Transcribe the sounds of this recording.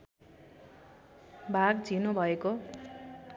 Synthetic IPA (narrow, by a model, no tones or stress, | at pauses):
bʱaɡd͡zʱinubʱʌeko